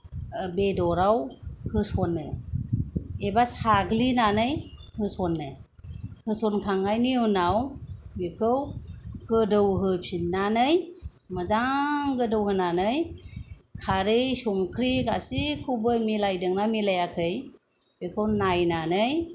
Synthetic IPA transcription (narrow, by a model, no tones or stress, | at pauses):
bedɔɾawhɯsɔnːɯ | ebasaɡlinanɯjhɯsɔnːɯ | hɯsɔnkʰaŋajniunawbekʰɯwɡ̥ɯdɯwɦɯpʰinːanɯj | mɯzaŋɡɯdɯwhɯnanɯj | kʰaɾɯjsɔŋkʰɾiɡasikʰubɯmilajdɯŋnamilajakʰɯj | bekʰɯwnajnanɯj